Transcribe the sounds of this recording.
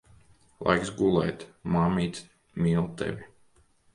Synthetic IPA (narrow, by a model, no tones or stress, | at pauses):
lˠa̰jksɡulˠɛjt̪maːmʲiːt̪ | miːlˠt̪ɛ̰vʲi